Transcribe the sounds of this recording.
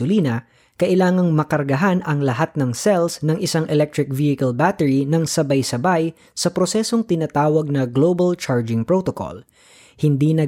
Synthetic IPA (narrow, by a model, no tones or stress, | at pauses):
ʊliːnɐ | kɐʔɪlaːŋɐŋmɐkɐɾɡɐɦanɐŋlɐɦat̪̚nɐŋsɛlsnɐŋʔɪsaŋʔɛlɛk̚t̪ɹɪk̚vihɪkɐlbaːt̪ɛɹinɐŋsɐbajsɐbaj | sɐpɾosɛso̞ŋt̪ɪnaːt̪aːwɐɡ̚nɐɡloːbɐlt͡ʃaɹd͡ʒɪŋpɹot̪oko̰l | hɪnd̪inɐ